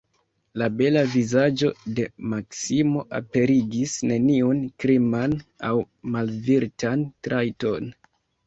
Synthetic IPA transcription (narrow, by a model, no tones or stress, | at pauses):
labe̞lavizad͡ʒo̞de̞maksimo̞ʔa̰pe̞ɾiɡisne̞niunkɾimanaw | malviɾtʰantɾʔajto̞n